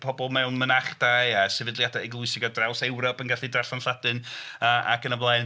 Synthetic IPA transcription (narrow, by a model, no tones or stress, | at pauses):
pʰɔbɔlˠmɛwnmənaχd̥ajasɛvɪdlˠjadaɛɡlˠʊɨsɪɡɔdrawsɛwɾɔpənɡaɬidraɬanɬadɨnəʔa̰kʰənəvlˠajn